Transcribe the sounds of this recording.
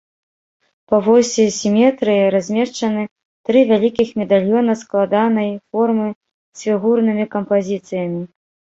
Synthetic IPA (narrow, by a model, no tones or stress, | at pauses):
pɐvɔsʲisʲimʲɛt̪ɾɨjiɾazʲmʲɛʂt͡ʂɐnɨ | t̪ɾɨvʲalʲikʲixmʲɛd̪alʲjɔnɐsklˠad̪anɐjfɔrmɨ | sʲfʲiɣurnɨmʲikɐmpazʲit̪sɨjɐmʲi